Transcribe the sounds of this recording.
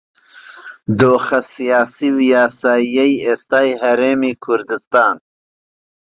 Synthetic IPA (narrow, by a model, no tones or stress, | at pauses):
d̪oːxasijɑːsiwijɑːsajajest̪ɑːjɦaɾeːmikʰʊɾd̪ɪst̪ɑːn